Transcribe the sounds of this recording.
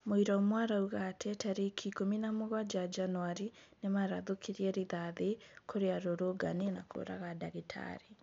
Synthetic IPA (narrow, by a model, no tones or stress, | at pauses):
moiɾɔmwaɾauɣatʰɛtaɾikʰikominamoɣwad͡ʒad͡ʒanuaɾinemaɾaðokʰiɾiɛɾiðaðekʰoɾeaɾoɾoɡanenakʰo̰ɾa̰ɣadaɣitʰa̰ɾe